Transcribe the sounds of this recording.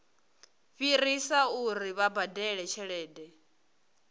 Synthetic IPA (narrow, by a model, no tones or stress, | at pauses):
ɸiɾisauɾiβabadɛɺɛt͡ʃʰɛɺɛːdɛ